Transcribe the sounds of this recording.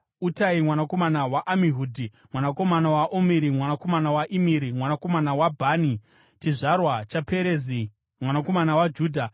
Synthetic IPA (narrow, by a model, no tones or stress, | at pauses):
utaimwanako̞manawaʔamiɦuːdʱi | mwanako̞manawaʔomiɾimwanako̞manawaʔimiɾimwanako̞manawabʱaːni | t͡ʃiʐarwat͡ʃapeɾeːzi | mwanako̞manawad͡ʒuːdʱa